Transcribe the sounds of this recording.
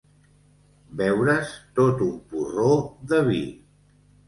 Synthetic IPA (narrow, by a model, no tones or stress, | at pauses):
bɛwɾəst̪ot̪umpuroðəβḭ